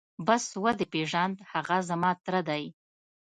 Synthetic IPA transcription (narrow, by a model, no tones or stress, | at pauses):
baswad̪epeʒand̪haɣazamɑt̪ɾad̪aj